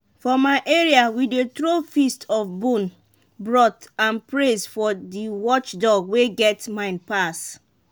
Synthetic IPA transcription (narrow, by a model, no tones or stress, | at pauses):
fɔmaɪʔeɹiawidetɹofistʰɔfbũn | bɹɔtãnpɹezfɔdiwɔt͡ʃdɔɡweɡɛtmãɪ̃npas